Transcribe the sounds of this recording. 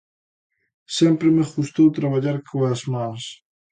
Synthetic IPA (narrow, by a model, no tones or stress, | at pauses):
sɛmpɾemexust̪owt̪ɾaβaʎaɾkʰoazmans